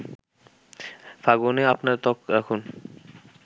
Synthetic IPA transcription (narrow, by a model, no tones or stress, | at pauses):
faɡuneapnaɾt̪ɔkɾakʰun